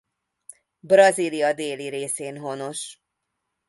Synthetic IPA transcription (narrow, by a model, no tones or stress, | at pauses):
brɒziːlijɒd̪eːliɾeːseːnɦo̞no̞ʃ